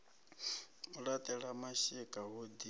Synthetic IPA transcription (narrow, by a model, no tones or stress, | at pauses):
uɺat̪ʼɛɺamaʃikʼaɦod̪i